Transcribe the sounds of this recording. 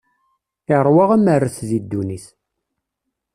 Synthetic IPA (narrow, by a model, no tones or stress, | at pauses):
ɪʁɾˤwaʁæmərːəθðid̪ːuniθ